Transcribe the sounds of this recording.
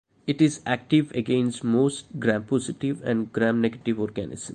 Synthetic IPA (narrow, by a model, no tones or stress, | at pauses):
ɪʈɪzæk̚ʈɪʋeɡẽːnsʈmoːsʈ̚ɡɾæ̃mpɔːzɪʈɪʋɛ̰̃ɳɖɡɾæ̃ːmneɡəʈɪʋɔːɾɡænɪ̰zə̃m